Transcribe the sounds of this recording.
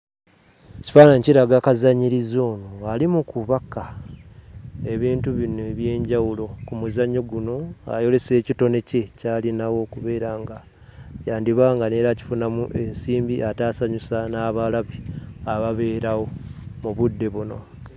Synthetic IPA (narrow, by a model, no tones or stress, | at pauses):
ci̥faːnaɲciɾaɡakazaɲiɾizo̞ːnoalimukuβaka | e̞βiːntuβineβje̞ːɲɟawulo̞kumuzaɲːo̞ɡuno̞a̰jo̞le̞se̞ːcito̞ne̞ce̞caːlinawo̞kuβe̞ːɾaŋɡa | jaːndiβaːŋɡane̞ːɾaci̥funamuʔe̞nsiːmbiʔataːsaɲusanaːβalaβiaβaβe̞ːɾawo̞muβudːe̞βuno̞̰